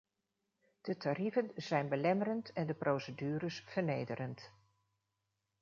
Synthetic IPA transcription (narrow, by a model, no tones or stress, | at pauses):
d̥ətarivənzɛjnbəlɛmərəntɛndəprowsədyːɾəsv̥əɹnejdəɾənt